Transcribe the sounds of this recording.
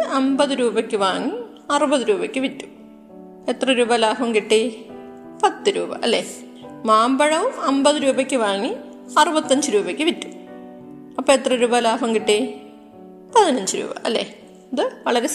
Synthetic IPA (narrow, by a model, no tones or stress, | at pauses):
ɐmbɐðɨɾuːbɐkʲːɨʋaːŋːi | ɐrɨbɐðɨɾuːbɐkʲːɨʋitːu̥m | et̪rɐɾuːbɐlaːɦɐmkiʈːi | pɐt̪ːɨɾṵːbɐ̰ʔɐlːḛː | maːmbɐɻɐʋumɐmbɐðɨɾuːbɐkʲːɨʋaːŋːi | ɐrubɐt̪ːɐɲd͡ʑɨɾuːbɐkʲːɨʋitːu̥m | ɐpːoːet̪rɐɾuːbɐlaːɦɐmkiʈːi | pɐðinɐɲd͡ʑɨɾṵːbɐ̰ʔɐlːḛː | ɐðɨʋɐɭɐɾe